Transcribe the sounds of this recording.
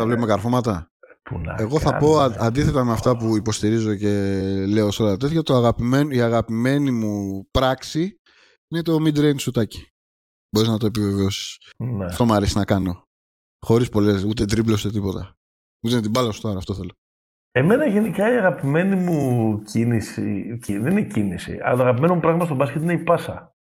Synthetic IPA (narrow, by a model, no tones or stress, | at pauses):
θɐvlepomekɐɾfo̞mɐt̪ɐ | pun̰eɣo̞θɐpo̞ɐnd̪iθe̞t̪ɐmeɐft̪ɐpuipo̞st̪iɾizo̞ce̞le̞o̞solɐɐt̪eθʝɐt̪it̪oɐɣɐpimeniaɣɐpime̞nimupɾɐksi | inet̪eomid̪ɾejnsut̪ɐci̥ | bo̞ɾiznɐt̪o̞e̞pive̞veo̞si̥snest̪o̞mɐɾesiznɐkɐno̞ | xo̞ɾispo̞le̞sut̪̬ed̪ɾiplo̞st̪et̪ipo̞t̪ɐ | ut̪ent̪ibɐlɐst̪oɐɾɐft̪o̞θe̞lo̞ | e̞me̞nɐʝe̞nikɐiɐɣɐpime̞nimucinisḭciðeninecinisḭɐ̰ɐt̪oɐɣɐpime̞nomupɾɐɣmɐst̪obɐscet̪ineipɐsɐ̰